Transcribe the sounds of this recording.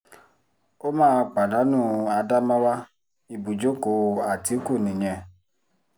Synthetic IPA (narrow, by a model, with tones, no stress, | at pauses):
o˦mãː˦˧k͡pa˨da˨˦nũː˦˨a˧da˦mã˦wa˦ | i˨bu˨d͡ʒo˨˦ko˨a˨ti˨˦ku˦˨nĩ˨ɲɛ̃˧